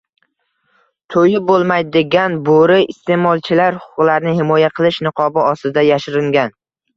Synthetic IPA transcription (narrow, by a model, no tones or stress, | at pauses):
t̪ʰojɪbolˠmajd̪eɡʲanboɾɪɪst̪e̞mɒlˠt͡ʃʰɪlaɾhʊ̥ʊqlaɾnɪhɪmɒjaqʰɨlˠɪʃnɨqʰɒbɪɒst̪ɪd̪ajaʃɪɾɪŋɡʲan